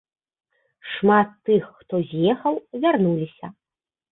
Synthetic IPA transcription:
ʂmat̪ːɨxːt̪ɔzʲjɛxɐwvʲarnulʲisʲɐ

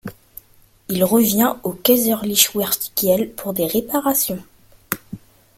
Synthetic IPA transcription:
ilʁəvjɛ̃okʲɛzœʁliʃwɛʁt̪i̥kjɛlpʰuʁd̪eʁepaʁasjɔ̃

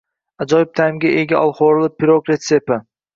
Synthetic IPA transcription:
ad͡ʒɒjɪp̚t̪ʰajɪmɡʲaʔeɡʲaʔɒlˠχoɾlˠɪpʰːiɾokɾet̪sepa

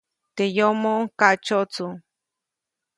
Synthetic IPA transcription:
t̪ejomokat͡ʃot͡su

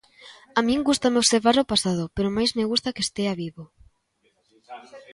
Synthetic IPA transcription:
amĩŋɡust̪ameoβseɾβaɾopasað̞ʊpeɾʊmajzmeɣust̪akest̪eaβiβo

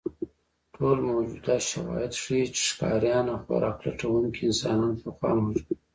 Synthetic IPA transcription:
ʈʰolmawd͡ʒud̪ɑt̪ʃawɑ̰jɪd̪ʂit͡ʃe̥ʂkɑ̰ɾjɑnaxwa̰ɾʔɑkla̰ʈ͡ʂawuŋkiɪnsɑnɑnpəxwɑ̰muʒi

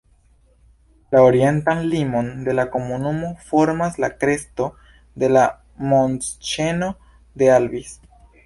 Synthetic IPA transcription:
laoɾie̞nt̪anlimo̞nd̪e̞lako̞munumo̞fo̞ɾmaslakɾe̞st̪o̞ | d̪e̞la | monst͡ʃe̞no̞ | d̪e̞albis

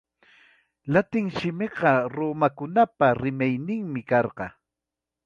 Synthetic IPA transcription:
lat̪ɪŋʃɪmɪɢɑɾomakʊnapaɾɪmajnɪŋmɪkɑɾɢɑ

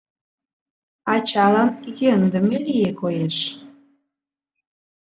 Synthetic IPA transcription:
ɑt͡ɕɑlɑnjønd̪ə̆mĕlijekojeʃ

